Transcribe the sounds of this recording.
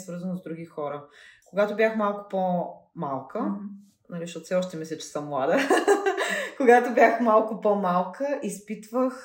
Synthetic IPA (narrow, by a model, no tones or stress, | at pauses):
svɤɾzənozd̪ɾuɡixɔɾəkoɡat̪obʲjaxmalˠkʊ̥pomalˠkə | nɐliʃt̪ɔt̪fsɛɔʃt̪ɛmɛsɛt͡ʃɛ̥səmlˠad̪ə | koɡat̪obʲjaxmalˠkʊpɔmalˠkəʔispit̪vəx